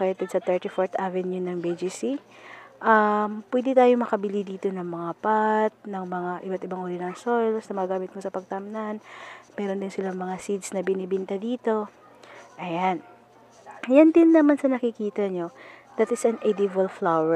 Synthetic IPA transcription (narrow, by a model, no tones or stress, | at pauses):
kɐjɐt̪ɪd̪sɐt̪ɛɹt̪ifoɹt̪ʔavɛnjunɐŋbed͡ʒisiʔɐmpwɛːd̪ɪt̪aːjo̞mɐkɐbɪlid̪iːt̪o̞nɐŋmɐŋapat̪̚nɐŋmɐŋaʔɪbat̪ɪbaŋʔuːɾɪnɐŋsojlsnɐmɐɡaːmɪt̪̚mosɐpɐɡ̚t̪ɐmnanmɛːɾond̪ɪnsɪlaŋmɐŋasid̪snɐbɪnibɪnt̪ɐd̪iːt̪o̞ | ʔɐjan | jand̪ɪnːɐmansɐnɐkɪkiːt̪ɐɲo̞ | d̪at̪ɪsɐnʔɛd̪ivɐlflawɛ